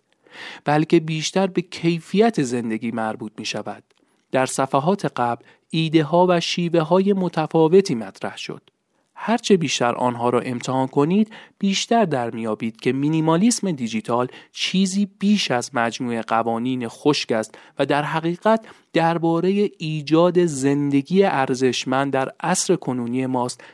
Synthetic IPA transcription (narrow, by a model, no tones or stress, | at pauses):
b̥ælce̞biːʃt̪æɾbe̞cʰe̞jfijæt̪ʰe̞ze̞nd̪e̞ɡiːmæɾbuːt̪̚ʰmiːʃævæ̰d̪̥̚ː | æɾsæfæɦɒːt̪ʰe̞ɢæbl | iːd̪e̞ɦɒːvæʃiːve̞ɦɒːje̞mo̞t̪ʰæfɒːve̞t̪ʰiːmæt̪ʰɾæhʃo̰d̪̥ | hæɾt͡ʃʰe̞biːʃt̪æ̰ɾʔɒ̰ːnɦɒːɾɒ̰ːʔe̞mt̪ʰehɒːnkʰo̞niːd̪̥b̥iːʃt̪æɾd̪æɾmijɒːbiːd̪̥cʰe̞minimɒlisme̞d̪id͡ʒit̪ʰɒːlt͡ʃʰiːziːb̥iːʃæzmæd͡ʒmuːe̞ɢævɒːniːne̞xo̞ʃcæst̪væd̪æɾɦæɣiːɣæt̪̚ʰd̪̥æɾbɒːɾe̞je̞iːd͡ʒɒːd̪e̞ze̞nd̪e̞ɟiːe̞ʔæɾze̞ʃmænd̪ːæɾʔæsɾe̞kʰo̞nuːniːe̞mɒːst̪